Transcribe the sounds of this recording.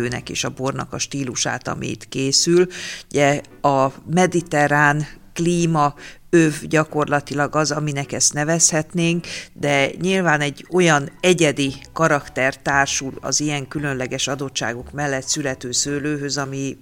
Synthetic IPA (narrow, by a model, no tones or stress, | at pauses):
øːnɛ̰kḛːʃɒbornɒ̰kɒʃt̪iːluʃa̰ːt̪ɒ̰mʔḭːt̪keːsylɟɛ | ɒmɛd̪it̪ɛɾaːnkliːmɒ | øvɟɒko̞rlɒt̪ilɒɡɒzɒminɛkɛst̪nɛvɛshɛt̪neːŋkd̪ɛɲilvaːnɛɟːo̞jɒnɛɟɛd̪ikɒɾɒkt̪ɛrt̪aːrʃulɒ̰zijɛŋkylø̞nlɛɡɛʃɒd̪o̞tt͡ʃʃa̰ːɡo̞kmɛlːɛt̪sylɛt̪øːsøːløːɦøzɒmi